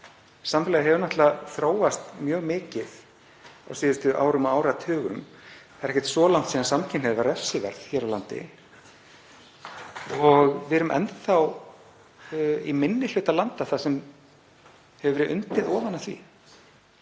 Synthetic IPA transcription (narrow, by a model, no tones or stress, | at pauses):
samflɛɣɦɛvʏɾnaht̪laθɾoːwast̪mjœːɣmɪːcɪð | a̰wsiːðʏst̪ʏʔa̰ːwɾʏmaaːwɾat̪ʰœːɣʏ̰m | θaɪɾɛhcɛ̥t̪sɔːlawŋ̥t̪siːðansamcʰɪnɛðvaɾɛfsɪvɛ̰ɾð̥çɛːɾawlant̪ɪ̰ | ɔɣvɪɾʏmʔɛ̰nt̪θaw | imɪnːɪl̥ʏːt̪alant̪aθasɛm | hɛvʏvɛɾɪðʔʏ̰nt̪ɪðɔːvanːaθvḭ